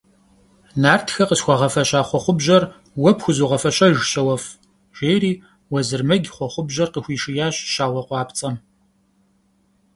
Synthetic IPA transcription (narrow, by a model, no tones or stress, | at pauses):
naːrtʰxɐqəɕxʷɔʁɐfɐɕaːχʷɔχʷʊbʑɐr | wɔpxʷʊzuːʁɐfɐɕʼɐʒɕɐwɐf | ʒ̥eːɾiː | wɐzɨrmɐɡʲχʷɔχʷʊbʑɐrqəxʷiːʂɪjaːɕʃaːwɐqʷɑːpt͡sʼɐm